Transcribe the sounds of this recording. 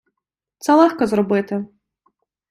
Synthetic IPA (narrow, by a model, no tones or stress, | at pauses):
t̪salˠaxkɐzrɔbɨt̪ɨ